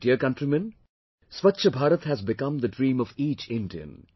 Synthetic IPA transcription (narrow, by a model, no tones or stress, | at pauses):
diəkʌ̃ɳʈɾimɛ̃n | sʋʌtːʃʰəbʱaːɾət̪hæzbɪkʌ̃md̪əɖɾĩːmɔviːt͡ʃɪ̃nɖiə̰̃n